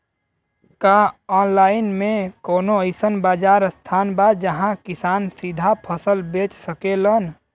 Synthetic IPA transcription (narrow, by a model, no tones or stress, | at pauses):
kaɔːnlaːɪnmẽkoːnoəɪsənbaːd͡ʒaːɾst̪ʰaːnbad͡ʒəɦãkɪsaːnsid̪ʱapʰəsəlbeːt͡ʃsəkelən